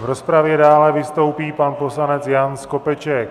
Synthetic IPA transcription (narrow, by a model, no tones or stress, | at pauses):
vɾo̞spɾavjɛdaːlɛvɪst̪o̞wpiːpanpo̞slanɛt͡sjansko̞pɛt͡ʃɛk